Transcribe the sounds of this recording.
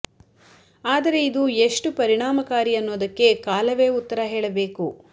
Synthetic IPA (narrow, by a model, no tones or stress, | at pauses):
aːd̪ɐɾe̞id̪ueʂʈupɐɾiɳaːmɐkaːɾiɐnːoːd̪ɐkːe̞kaːlɐʋe̞ːut̪ːɐɾɐɦeːɭɐbe̞ːku